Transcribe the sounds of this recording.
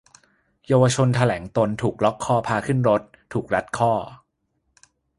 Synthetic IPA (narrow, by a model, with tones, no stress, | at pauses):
jaː˧wa˧t͡ɕʰo˧nt̪ʰa˧lɛː˩˦ŋt̪o˧nt̪ʰuː˨˩k̚lɔ˦˥kʰːɔː˥˩pʰaː˧kʰɯ˥˩nɾo˦˥t̪ʰːuː˨˩k̚ɾa˦˥t̪̚kʰɔː˥˩